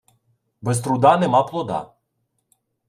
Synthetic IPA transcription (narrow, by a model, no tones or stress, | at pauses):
bɛs̬t̪ɾʊd̪ɑnɛmɑplˠɔd̪ɑ̰